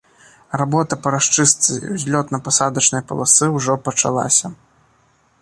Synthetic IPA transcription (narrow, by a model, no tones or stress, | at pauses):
rabɔt̪ɐpɐɾaʂt͡ʂɨst̪sɨ̰wzʲlʲɔt̪nɐpasad̪ɐt͡ʂnɨjɐpɐlˠasɨwʐɔpɐt͡ʂa̰lˠa̰sʲɐ